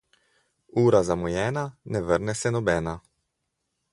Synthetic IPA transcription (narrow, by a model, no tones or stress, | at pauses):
uːɾazamɔjɛːnanɛʋəɾnɛsɛnɔbɛːna